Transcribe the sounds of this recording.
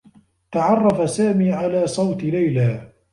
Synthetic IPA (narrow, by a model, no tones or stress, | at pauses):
t̪aʕɑrˤːɑfasaːmiːʕalaːsˤɑwt̪lajlaː